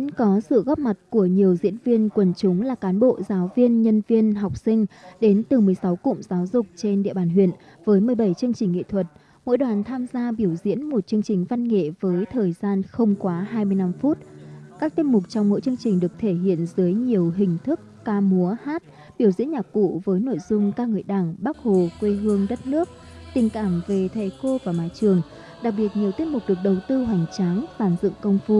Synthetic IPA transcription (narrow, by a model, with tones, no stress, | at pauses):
nkɔ˨˦sɨ̰˧˨ɣɔ˦˥p̚ma˨˩t̚ku˧˩əɲi˨˩əwzḭ˧˥ənvi˧ənkwə˨˩nt͡ɕʊ˨˦ŋ͡mlaː˨˩kaː˨˦nɓo̰˧˨zaː˨˦wvi˧ənɲə˧nvi˧ənɦa˨˩wk͡p̚sï˧ŋ̟ɗe˨˦nt̪ɨ˨˩mɨ˨˩əjsa˨˦wkʊ̰˧˨ŋ͡mz̥aː˨˦wzʊ˨˩k͡p̚t͡ɕe˧nɗḭ˧əɓaː˧˩nɦwḭ˧˨ən | vəː˨˦jmɨ˨˩əjɓə˧˩jt͡ɕɨ˧əŋt͡ɕï˨˩ŋ̟ːŋḛ˧˨t̪ʰwə˨˩t̚ | mo̰˧˥jɗwaː˨˩nt̪ʰaː˧mzaː˧ɓi˧˩əwzḭ˧˥ənmo˨˩t̚t͡ɕɨ˧əŋt͡ɕï˨˩ŋ̟va˧nŋḛ˧˨vəː˨˦jt̪ʰəː˨˩jzaː˧nxə˧wŋ͡mkwaː˨˦ɦaː˧jmɨ˧əjna˧mfu˦˥t̚kaː˦˥k̚t̪i˦˥t̚mʊ˨˩k͡p̚t͡ɕɔ˧wŋ͡mmo̰˧˥jt͡ɕɨ˧əŋt͡ɕï˨˩ŋ̟ɗɨ˨˩ək̚t̪ʰe˧˩ɦḭ˧˨ənzɨ˨˦jɲi˨˩əwɦï˨˩ŋ̟t̪ʰɨ˦˥kːaː˧mu˨˦əhaː˦˥t̚ | ɓi˧˩əwzḭ˧˥nɲaː˨˩kṵ˧˨vəː˨˦jno̰˧˨jzʊ˧ŋ͡mkaː˧k̚ŋɨ˨˩əjɗaː˧˩ŋɓaː˦˥k̚ho˨˩kwe˧ɦɨ˧əŋɗə˦˥t̚nɨ˦˥ək̚ | t̪ï˨˩ŋ̟kaː˧˩mve˨˩t̪ʰe˨˩ko˧vaː˨˩maː˨˦jt͡ɕɨ˨˩əŋ | ɗa˨˩k̚ɓi˨˩ət̚ɲi˨˩əwt̪i˦˥ət̚mʊ˨˩k͡p̚ɗɨ˨˩ək̚ɗə˨˩wt̪ɨ˧ɦwa˨˩jŋ̟t͡ɕa˨˦ŋsaː˧˩nzɨ̰˧˨ŋkə˧wŋ͡mfu˧